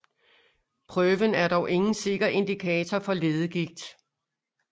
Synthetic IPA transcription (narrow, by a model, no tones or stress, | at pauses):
pʰʁœːʋənæɐd̥ɒʊʔe̝ŋn̩se̝ɡ̥ɐʔe̝nd̥ikʰɛːt͡sʰɐfɒ̽le̝ːð̞ˠəɡ̥iɡ̥̚d̥